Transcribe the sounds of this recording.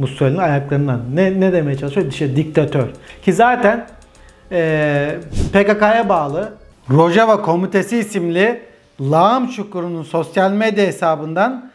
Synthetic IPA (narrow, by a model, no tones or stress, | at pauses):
musalʲiajaklˠaɾɯnd̪annɛned̪emejɛt͡ʃʰalˠɯʃjod̪iʃɛd̪ik̚t̪ʰat̪ʰøɾ̥cʰizaːt̪ʰæn | ɛː | pekakajabaːlˠɯ | ɾo̞ʒavakʰo̞mit̪ʰe̞siːsimlʲi | lˠamt͡ʃʰukuɾununso̞sjalʲmed̪jaɦesaːbɯnd̪an